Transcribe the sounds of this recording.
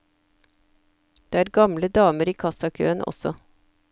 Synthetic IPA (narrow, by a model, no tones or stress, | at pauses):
d̪̥eːæːɾɡɑmləd̪ɑːməɾiːkʰɑsɑkʰø̰ːənʔɔ̰sɔ